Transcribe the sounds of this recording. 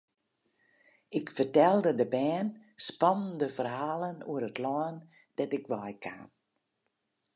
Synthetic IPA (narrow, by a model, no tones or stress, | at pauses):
ɪkfərtɛlˠdədəbɛːnspɔnəndəfərɦaːlˠənuəɾətʰlɔːn | d̥ɛtɪkʋɔjkʰa̰ːn